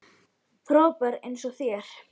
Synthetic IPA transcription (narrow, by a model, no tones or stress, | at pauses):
pʰɾɔːpaɾḛjnsɔɣθjɛɾ̥